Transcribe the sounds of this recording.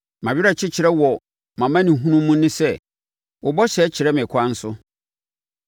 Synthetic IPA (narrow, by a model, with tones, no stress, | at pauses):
mã˨bɪ˦ɾa˨t͡ɕʰɪ˦t͡ɕʰɪ˨ɾɛ˦wɔ˨ | mã˨mã˦nĩ˨ɦũ˦nũː˦ũ˦nɪ̃˦sɛ˦ | wʊ˨bɔ˦ɕɛ˨˦t͡ɕʰɪ˨ɾɛ˦mɪ̃˨kʷʰa˦n̩˦sʊ˦